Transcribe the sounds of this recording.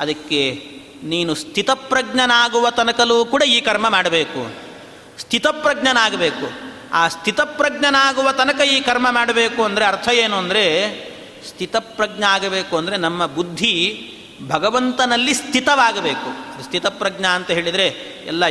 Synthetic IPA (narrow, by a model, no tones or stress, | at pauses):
ɐd̪ɐkːe̞ | niːnust̪ʰit̪ɐpɾɐɡnɐnaːɡuʋɐt̪ɐnɐkɐluːkuːɽɐiːkɐɾmɐmaːɽɐbeːkṵ | st̪ʰit̪ɐpɾɐɡnɐnaːɡɐbe̞ːku | aːst̪ʰit̪ɐpɾɐɡɳɐnaːɡuʋɐt̪ɐnɐkɐiːkɐɾmɐmaːɽɐbe̞ːkuɐnd̪ɐɾeɐɾt̪ʰɐjeːnuɐnd̪ɐɾe̞ | st̪ʰit̪ɐpɾɐɡɳɐaːɡɐbe̞ːkuɐnd̪ɐɾe̞nɐmːɐbud̪ʱːi | bʱɐɡɐʋɐnt̪ɐnɐlːist̪ʰit̪ɐʋaːɡɐbe̞ːkust̪ʰit̪ɐpɾɐɡɳɐːnt̪ɐɦeːɭid̪ɐɾe̞ | ɛ̰lːɐ